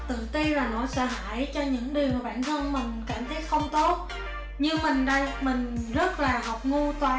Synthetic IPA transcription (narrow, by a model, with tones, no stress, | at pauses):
t̪ɨ̰˧˨t̪i˧laː˨˩no̰˧˥sə̰ː˧˥ɦa̰ː˧˥˨jt͡ɕɔ˧ɲɨ̰˧˥ŋɗi˨˩əwmaː˨˩ɓa̰ː˧˨nt̪ʰə˧nmï˨˩ŋ̟kaː˧˩mt̪ʰə˨˦j̚xə˧wŋ͡mt̪o˦˥t̚ | ɲɨ˧ŋmï˨˩ŋ̟ɗə˧jmï˨˩ŋ̟zə˦˥t̚laː˨˩ɦɔ˨˩wk͡p̚ŋu˧t̪waː˨˩